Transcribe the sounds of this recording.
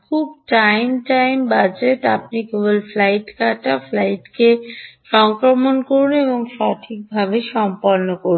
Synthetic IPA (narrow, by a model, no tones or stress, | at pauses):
kʰubʈajmʈajmbad͡ʑeʈapniɡobolflajʈkaʈaflajʈkeʃɔŋkɾomonkoɾuneboŋʃɔʈʰik̚bʱabeʃɔmpoɾnokoɾu